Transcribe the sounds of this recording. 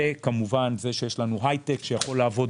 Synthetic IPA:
ekamuvanze̞ʃejeʃlanuɦajt̪ekʃejaχo̞laːvo̞d

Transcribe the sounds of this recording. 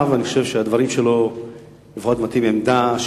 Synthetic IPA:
vaniχoʃevʃead̪vaʁimʃelo̞ | lefot̪mat̪imemd̪aʃ

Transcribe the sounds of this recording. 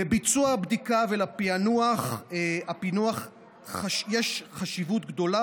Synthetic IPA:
ebit͡suaabd̪ikavelapianuaχapinuaχ | aʃjeʃχaʃivut̪̚ɡd̪o̞la

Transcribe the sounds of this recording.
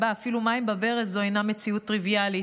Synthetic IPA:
baːfilumaimbabeʁezoajname̞t͡siut̪ʁivijali

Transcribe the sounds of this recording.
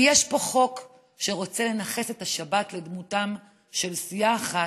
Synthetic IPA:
jeʃpo̞χo̞k | ʃe̞ʁo̞t͡se̞le̞naχe̞setaʃabatle̞dmutam | ʃe̞lsijaːχa

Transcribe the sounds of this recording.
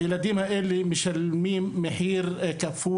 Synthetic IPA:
ɪlad̪iːmaʔɪlːimɪʃɪlmiːmɪħiːɾkafuː

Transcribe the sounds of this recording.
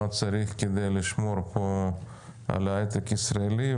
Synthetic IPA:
at͡saɾiχked̪ejliʃmo̞ɾpʰo | a̰laet̪ekisɾaeli

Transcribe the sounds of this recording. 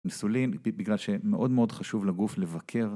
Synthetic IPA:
misulimbiɡlalʃemeʔo̞d̪meo̞d̪χaʃuvlaɡufle̞vakʰe̞ʁ

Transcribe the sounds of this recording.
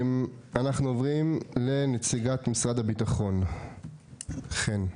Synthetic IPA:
manaχnuovʁimle̞net͡siɡat̪misʁad̪abitaχo̞n | χen

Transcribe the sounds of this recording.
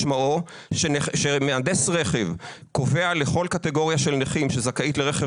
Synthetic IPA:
ʃmao | ʃeneʃemead̪esʁeχe̞v | ko̞ve̞aleχo̞lkat̪e̞ɡo̞ʁjaʃelneχimʃezakaitleʁeχe

